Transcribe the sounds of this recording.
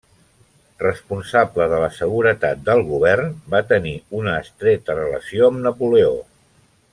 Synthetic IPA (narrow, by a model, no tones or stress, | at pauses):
rəspunsabləðələsəɣuɾət̪at̪̚d̪əlˠɣuβɛrnbat̪əniunəːst̪ɾet̪ərələsioəmnəpuleo̰